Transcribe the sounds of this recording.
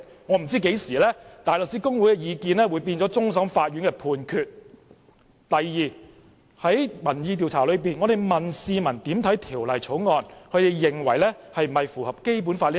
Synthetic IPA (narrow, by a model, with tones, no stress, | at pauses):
ŋɔː˨˧m̩˨˩t͡siː˥ke˨˥jsiː˨˩lɛ˥t̪aː˨jlə˨k̚siː˨˥kʊ˥ŋwuː˨˥jkɛ˧jiː˨˧kiː˨˧nlɛː˥wu˨˧jpiː˧nt͡sɔ˨˥t͡sʊ˥ŋs̬ɐ˨˥mfaː˧t̚jyː˨˥nkɛː˧pʰuː˧nkʰyː˨˧t̚ | t̪ɐ˨jːiː˨˩ | hɐ˨˥jmɐ˨˩njiː˨˧t̪̬i˨wt͡sʰaː˨˩lɵ˨˧ɥp̬iː˨nŋɔ˨˧d̪e˨jmɐ˨nsiː˧mɐ˨˩nt̪iː˨˥mt̪ʰɐ˨˥jt̪ʰiː˨˩wlɐ˨jt͡ʃʰo˨˥wŋɔː˨˧nkʰɵ˨˧ɥt̪e˨˧jjɪ˨ŋwɐ˨˩jlɛː˥ | hɐ˨jm̩˨˩hɐ˨jfuː˨˩hɐ˨p̚ke˥jp̬uː˨˥nfaː˧tliː˥